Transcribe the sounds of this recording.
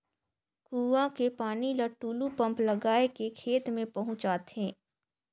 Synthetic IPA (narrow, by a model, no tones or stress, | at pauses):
kuːʋãkepaːnilɐʈːuːlupɐ̃mplɐɡaːekekʰeːt̪mẽpɐɦʊ̃t͡ʃaːt̪ɦɛ̃ː